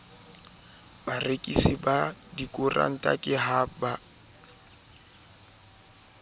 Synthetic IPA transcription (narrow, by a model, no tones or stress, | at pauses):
barekʼisibadikʼʊra̰n̩tʼa̰kʼɪɦaba